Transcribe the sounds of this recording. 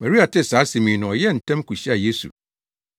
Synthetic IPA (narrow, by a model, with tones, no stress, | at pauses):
mã˨ɾi˦a˨tʰɪ˦saː˨˦sɪ̃˨mĩ˨nʊ̃˨ɔ˨jɛ˦˨n̩˨tʰɛ̃˦mkʰu˨ɕi˦a˨je˦sṵ˨